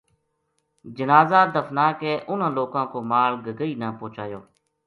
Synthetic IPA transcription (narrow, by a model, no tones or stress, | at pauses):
d͡ʒənaːzaːd̪əfnaːkeːʔʊn̤ãːloːkãːkoːmaːɭɡəɡəiːnaːpoːt͡ʃaːjoː